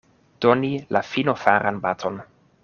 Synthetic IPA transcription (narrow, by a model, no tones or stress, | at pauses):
d̥onilafino̞faɾanbatʰo̞n